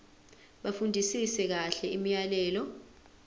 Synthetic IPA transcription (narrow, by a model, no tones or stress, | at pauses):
ɓafundʱisisɛk̬aɬɛimijalɛːlɔ